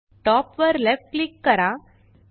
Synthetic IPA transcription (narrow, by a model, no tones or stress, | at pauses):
ʈɔːpʋɐɾlefʈklɪkːɐɾãː